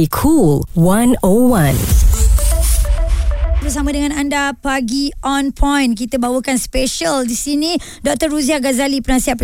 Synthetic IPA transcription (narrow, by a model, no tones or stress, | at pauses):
ikʰulwãnowãn | bəs̬amãdəŋãnandapaɡiɔnpʰɔ̃jnk̬it̪əbawəkanspeʃəldisinĩ | dɔk̚t̪ərːuziahɡazalipənãsiɦat̪̚pə